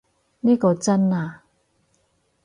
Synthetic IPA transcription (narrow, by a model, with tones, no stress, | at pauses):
niː˥kɔː˧t͡sɐ˥naː˨˧